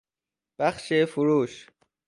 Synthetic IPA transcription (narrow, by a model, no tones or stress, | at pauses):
b̥axʃeːfuɾuːʃ